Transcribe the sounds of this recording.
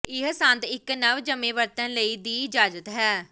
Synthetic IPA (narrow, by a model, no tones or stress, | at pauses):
ɪɦsənd̪ɪknəʋd͡ʒəmẽːʋəɾt̪ə̃ːləiːd̪iːd͡ʒaːd͡ʒət̪ɦɛː